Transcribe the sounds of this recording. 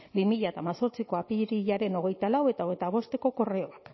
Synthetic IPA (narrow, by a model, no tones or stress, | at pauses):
bimiʎat̪amaso̞ɾt͡siko̞apiɾiʎaɾe̞no̞ɣ̞e̞jt̪alawe̞t̪aoɣet̪aβ̞o̞st̪e̞ko̞ko̞reo̞ak